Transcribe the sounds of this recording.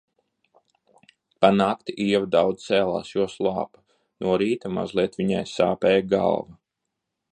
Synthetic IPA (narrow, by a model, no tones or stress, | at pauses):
panaːkt̪iɛvd̪awd̪z̥t̪sɛːlˠa̰ːsjuɔslˠɑ̰ːpḁ | nuɔɾiːt̪ama̰zlˠiɛt̪ʋiɲajsaːpɛːjɡa̰lˠva